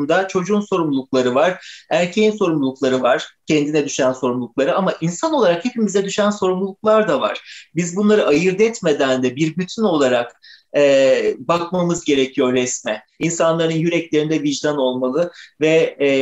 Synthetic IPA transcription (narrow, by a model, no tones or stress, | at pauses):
md̪at͡ʃʰo̞d͡ʒuːnso̞ɾumluuklˠaɾɯvaɾ̥æɾcʰejinso̞ɾumlˠulˠuklˠaɾɯvaɾ̥cʰɛnd̪inɛd̪yʃænso̞ɾumlˠuk̚lˠaɾɯamaʔinsano̞lˠaɾakhe̞pimizɛd̪yʃænso̞ɾumlˠulˠuk̚lˠaɾd̪ava̰ɾ̥bizbunlˠaɾɯʔajɯɾd̪ɛt̪me̞d̪ænd̪ɛbiɾbyt̪ʰyno̞lˠaɾak | ɛbakmamɯzɟe̞ɾecʰijo̞ɾɛsmɛ | insanlˠaɾɯnjyɾɛclʲe̞ɾind̪ɛviʒd̪ano̞lˠmalˠɯvɛ